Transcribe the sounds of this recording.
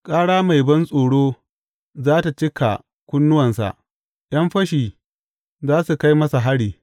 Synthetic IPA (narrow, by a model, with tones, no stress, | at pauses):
kʼaː˦ɽaː˦ma˨jbɐ˦nsʼoː˨ɽoː˦ | zaː˦ta˨t͡ʃɪ˦kʰa̰˨ | kʷʊ˦nːʊ˦wɐ˨nsa̰˨ʔ | j̰ɐ˦mɸɐ˦ʃiː˨ | zaː˦su˨ka˦jmɐ˦sa˨ɦa˦ɽiː˨